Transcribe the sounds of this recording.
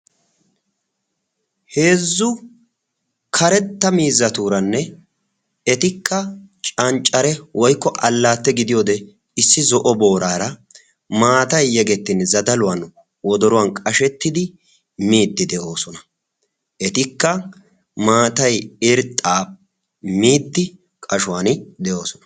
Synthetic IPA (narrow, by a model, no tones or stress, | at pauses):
he̞ːzːʊ | kʰɐɾɛt̪ːɐmiːzːɐt̪uːɾɐnːɛ | ɛt̪ɪkʰːɐt͡ʃʼɐnt͡ʃʼːɐɾɛwʔɔjkːɔʔɐlːaːt̪ːɛɡɪd̪ɪjoːd̪ɛ | ɪsːɪzɔʔɔbo̞ːɾaːɾɐ | maːt̪ɐjːɛɡɛt̪ːɪnzɐd̪ɐlʊwɐn | wɔd̪ɔɾʊwɐnkʼɐʃɛt̪ːɪd̪ɪ | miːd̪ːɪd̪ɛʔo̞ːsɔnɐ̥ | ʔɛt̪ɪkːɐ | maːt̪ɐjɪɾt̪ʼːaː | miːd̪ːɪ | kʼɐʃʊwaːnd̪ɛʔo̞ːsɔnɐ̥